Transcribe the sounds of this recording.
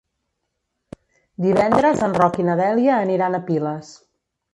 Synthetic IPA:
d̪iβɛnd̪ɾəzənrɔkinəðɛliəːniɾanəpiləs

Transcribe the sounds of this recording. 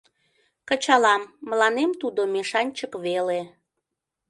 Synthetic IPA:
kət͡ɕɑlɑmːəlɑnemt̪ud̪omeʃɑnʲt͡ɕəkβele

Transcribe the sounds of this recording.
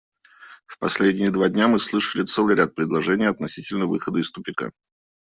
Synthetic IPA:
fpɐsʲlʲedʲnʲɪjəd̪vadʲnʲamɨslˠɨʂəlʲɪt̪sɛlˠɨjɾʲat̪̚pɾʲɪd̪lˠɐʐɛnʲɪjɐt̪nɐsʲitʲɪlʲnəvɨxəd̪əɪst̪ʊpʲɪka̰

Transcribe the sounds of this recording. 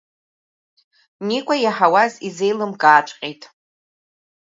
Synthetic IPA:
nikʷʼajaħawazize̞jlɨmkʼaːʈ͡ʂʷʼqʲʼejtʼ

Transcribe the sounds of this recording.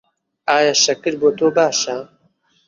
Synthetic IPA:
aːjaːʃɐkɨɾboːt̪oːbaːʃa

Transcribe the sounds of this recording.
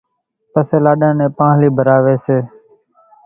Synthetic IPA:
pəseːlaːɗãːnẽːpãːliːbʱəɾaːʋeːseː

